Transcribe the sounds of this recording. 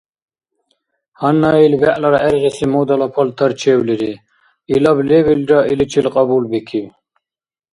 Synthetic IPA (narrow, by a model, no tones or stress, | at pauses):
hɐnːailbɛʔlɐɾɑʔɛɾʁɛsimud̪ɐlɐpʰɐlt̪ʰɐɾt͡ʃʰewliɾi | ilɐbleβilɾɑʔilit͡ʃʰilqʼɑbulbikʰiw